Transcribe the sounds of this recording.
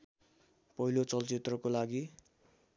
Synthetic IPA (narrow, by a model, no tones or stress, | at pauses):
pʌɦilot͡sʌlt͡sit̪rʌkolaɡi